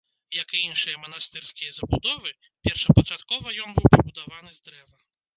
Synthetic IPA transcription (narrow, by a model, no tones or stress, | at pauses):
jɐkɨinʂɨjɐmɐnast̪ɨrsʲkʲijɐzɐbud̪ɔvɨ | pʲɛrʂɐpɐt͡ʂat̪kɔvɐjɔnbɨwpɾɐbud̪avanɨzd̪ɾɛvɐ